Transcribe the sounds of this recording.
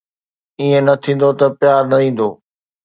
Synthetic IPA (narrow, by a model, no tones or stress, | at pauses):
iːẽnɐt̪ʰĩːn̆d̪ot̪ɐpjaːɾnɐʋĩːn̆d̪oː